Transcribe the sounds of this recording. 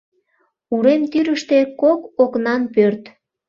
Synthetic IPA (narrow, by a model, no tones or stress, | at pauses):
uɾemt̪yɾəʃt̪e̽kokoknɑnpørt̪